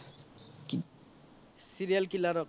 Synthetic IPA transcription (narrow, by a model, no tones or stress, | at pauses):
ki | siɾijalkilaɾɔk